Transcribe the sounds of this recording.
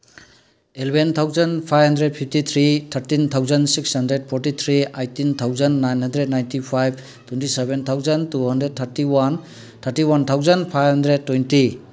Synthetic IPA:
elebʱent̪ʰawzɐnpʰajbɦɐndɾed̚pʰip̚tit̪ʰɾit̪ʰaɾtint̪ʰawzɐnsikshɐndɾed̚pʰɔɾtit̪ʰɾiajtːint̪ʰawzənːajnɦɐndɾed̚najntipʰajb̚ʰ | tʰwentisebent̪ʰawzɐntuɦɐndɾed̚tʰaɾtiwan | t̪ʰaɾtiwant̪ʰawzɐnpʰajɦɐndɾed̚tːwejnti

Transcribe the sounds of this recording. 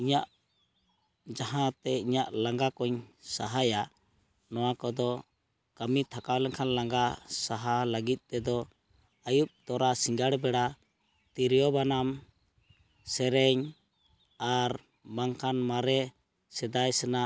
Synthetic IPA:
iɲaʔ | d͡ʒaɦãt̪ɛiɲaʔlaŋɡakɔɲsaɦaja | nɔwakɔd̪ɔ | kamit̪ʰakawlɛŋkʰanlaŋɡasaɦaləɡit̪̚ˀt̪ɛd̪ɔ | ajup̚t̪ɔɾasiŋɡaɽbɛɽa | t̪iɾjɔbanam | sɛɾɛɲ | aɾ | baŋkanmaɾɛ | sɛd̪ajsɛna

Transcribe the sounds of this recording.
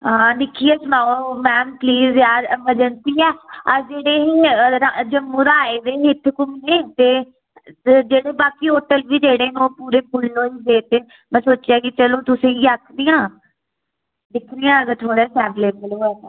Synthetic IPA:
ɦãːd̪ɪkʰiːeːsʊnaːomɛ̃ːmpliːzjaːd̪məd͡ʒənt̪iːɛːəɾd͡ʒeːɽeːɦiːɾad͡ʒəmːũːɾaːeːd̪eːɦɪt̪ʰkʊmiːeːt̪eː | d͡ʒeːɽeːbaːkiːɦoːʈəlʋiːd͡ʒeːɽeːnõːpuːɾeːpʊlːõːiːd̪eːt̪eː | mɛ̃ːsoːt͡ʃaːɡit͡ʃəloːt̪ʊsẽːiːaːkʰniːãː | d̪ɪkʰniːãːəɡəɾt̪ʰoːɽɛːsɛːbleːbəloːɛː

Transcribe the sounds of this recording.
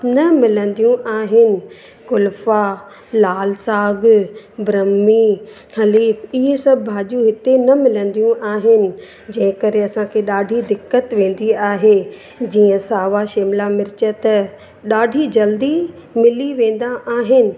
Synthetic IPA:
nɐmɪlə̃nd̪ijũʔaːɦɪnɪ̆ | kʊlfa | laːlsaːɡbɾɐmːiː | xɐliːfɪɦesɐbʱɪbʱaːʄũɦɪt̪enɐmɪlə̃nd̪ijũʔaːɦɪnɪ̆ | d͡ʑɐ̃ɦɪ̃kɐɾeɐsãkʰeːɗaːɖʱid̪ɪkːət̪ʋẽːn̆d̪iaːɦe | d͡ʑiːə̃saːʋaʃeːmlamɪɾɪt͡ɕət̪ɐ | ɗaːɖʱid͡ʑɐld̪i | mɪliʋẽːn̆d̪aʔaːɦɪnɪ̆

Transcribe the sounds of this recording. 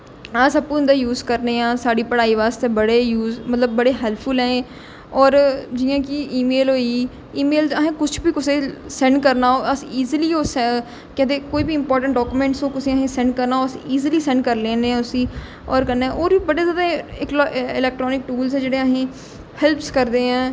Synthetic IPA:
asəppũɪ̃nd̪aːjuːzkəɾneːãːsaːɖiːpəɽaːiːʋaːst̪eːbəɽeːjuːzmət̪ləbːəɽeːɦɛːlpʰfʊlɛ̃ːẽː | ɔːɾd͡ʒijãːkɪʔiːmeːlɦoːiː | iːmeːlzəɦẽːkʊt͡ʃʰbiːkʊseːsɛ̃ɳɖkəɾnaːoːəsiiːziliːoːsɛ | kɛ̃ːt̪eːkoːiːbiɪ̃mpɔːɾʈə̃ɳʈɖɔːkuːmẽːɳʈsõːkʊsĩːəɦẽːsɛ̃ɳɖ̚kəɾnaːoːəsiiːziliːsɛ̃ːɳɖkəɾlẽːneɛ̃ːʊsĩː | ɔːɾkənːeɛ̃ːʔoːɾbibəɽeːzjaːd̪aːɪklːɪlɛːk̚ʈɾɔːnɪk̚ʈuːlzɛ̃ːd͡ʒeːɽeːəɦẽː | hɛlpskəɾd̪eːɛ̃ː

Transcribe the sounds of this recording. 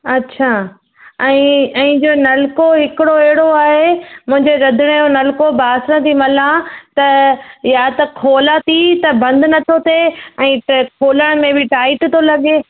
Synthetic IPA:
ɐtːɕʰaː | ɛ̃ːɛ̃ːd͡ʑoːnɐlkoɦɪkɪɽoɐɦɪɽoaːɦemʊ̃ɦɪ̃ɲd͡ʑeɾɐd̪ʱɪɽ̃eonɐlkobaːsɽ̃ə̃t̪ʰimɐlãt̪ɐjaːt̪ɐkʰoːlat̪it̪ɐbɐ̃nd̪nɐt̪ʰot̪eɛ̃ːkʰoːləɽ̃mẽbɪʈaːɪʈt̪ʰolɐɠeː

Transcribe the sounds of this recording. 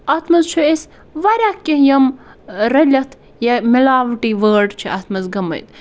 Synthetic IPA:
ɐt̪ʰmɐzt͡ʃʰues | ʋɐɾʲakːeɦjɐmɾɐlʲɐt̪ʰ | jɐmilaːʋʈiʋəːɖt͡ʃʰiʔɐ̰t̪ʰmɐzɡɐmɐ̰jt̪̚

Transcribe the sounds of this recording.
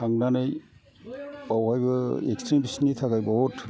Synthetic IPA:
aŋnanɯj | pawhajbɯḛkstɾimbisnitʰaɡajbɔɔtʰ

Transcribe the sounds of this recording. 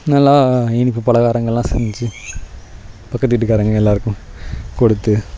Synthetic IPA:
nɐlːaːɪnɪpːɯpɐlɐɣaːɾɐŋɡɐɭlãːsɛɲd͡ʒt͡ʃːɯ | pɐkːɐt̪ːɪɪʈ̬ːɯkːaːɾɐŋɡɐɛlːaːɾɯkːʊ̃kɔɽɯt̪ːɯ

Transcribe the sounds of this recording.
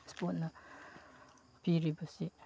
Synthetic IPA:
spot̚nɐ | piɾibɐsi

